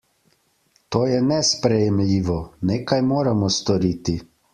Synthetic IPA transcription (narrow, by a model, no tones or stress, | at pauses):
t̪oːjɛnɛspɾɛjɛmlʲiːʋɔneːkajmoːɾamɔst̪ɔɾiːt̪i